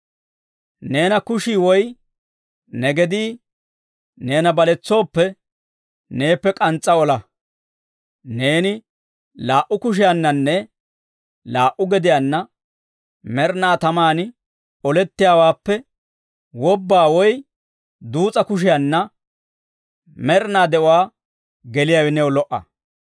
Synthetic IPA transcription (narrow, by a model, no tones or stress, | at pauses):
ne̞ːnɐkʊʃiːwɔj | nɛɡɛd̪iː | ne̞ːnɐbɐlɛt͡sːo̞ːpːɛ | ne̞ːpːɛkʼɐnt͡sʼːɐɔlɐ | ne̞ːnɪ | laːʔʊkʊʃ̬ɪjɐnːɐnːɛ | laːʔʊɡɛd̪ɪjanːɐ | mɛɾnaːt̪ɐmaːnɪ | ɔlɛt̪ːɪjaːwaːpːɛ | wɔbːaːwɔj | d̪uːt͡sʼɐkʊʃ̬ɪjanːɐ | mɛɾnaːd̪ɛʔɔwaː | ɡɛlɪjawɛnɛwɔlɔʔːɐ̰